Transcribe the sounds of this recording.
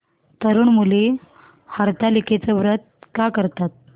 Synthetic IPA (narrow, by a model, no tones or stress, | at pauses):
t̪əɾuːɳmule | haɾt̪aliket͡səʋɾət̪̚kakəɾt̪at̪̚